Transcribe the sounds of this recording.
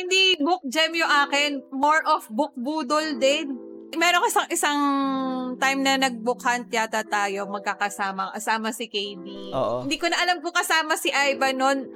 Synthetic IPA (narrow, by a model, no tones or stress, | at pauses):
hɪnd̪ibʊk̚d͡ʒɛmjʊŋʔaːkɛnmoɹʔofbʊk̚buːd̪old̪ɛnmɛːɾonkɐsɐŋʔɪsɐŋ | t̪ajmnɐnɐɡ̚bʊkɐnt̪jaːt̪ɐt̪aːjo̞mɐɡ̚kakɐsaːmɐŋʔɐsaːmɐsɪkejd̪iʔo̰ːʔhɪnd̪iːkonɐʔɐlamkʊkɐsaːmɐsɪʔajbɐnon